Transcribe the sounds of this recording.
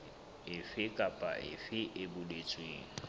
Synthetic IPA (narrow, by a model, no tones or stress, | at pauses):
ɪfɪkʼapʼa̰ɪ̰fɪʔɪbʊlet͡sʼweːŋ̩